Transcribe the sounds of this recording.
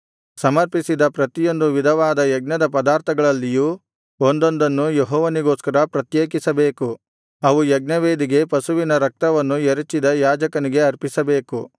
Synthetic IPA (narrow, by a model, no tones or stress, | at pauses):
sɐmɐɾpisid̪ɐpɾɐt̪ijo̞nd̪uʋid̪ʱɐʋaːd̪ɐjɐɡ̚nɐd̪ɐpɐd̪aːɾt̪ʰɐɡɐɭɐlːijuː | ond̪o̞nd̪ɐnːujeɦɔːʋɐniɡoːskɐɾɐpɾɐt̪jeːkisɐbe̞ːku | ɐʋujɐɡ̚nɐʋeːd̪iɡe̞pɐsuʋinɐɾɐk̚t̪ɐʋɐnːueɾut͡ʃːid̪ɐjaːd͡ʒɐkɐniɡe̞ɐɾpisɐbe̞ːku